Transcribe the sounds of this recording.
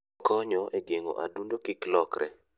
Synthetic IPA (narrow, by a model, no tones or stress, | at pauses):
kɔɲɔʔeɡeŋo̰ʔa̰dundokiklɔkɾʔɛ̰